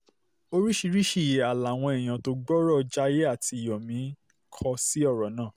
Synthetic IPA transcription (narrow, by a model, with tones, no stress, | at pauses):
o˧ɾi˦ʃi˧ɾi˦ʃi˦˨je˨a˨la˨w̃ɔ̃˧ɛ˨j̃ã˨to˧ɡ͡bɔ˦ɾɔ˦˨˧d͡ʒa˦˧je˦a˦˨ti˧˨jɔ˨mĩ˨˦ | kʰɔ˧si˦ɔ˦˨ɾɔ˨˦nãː˦˨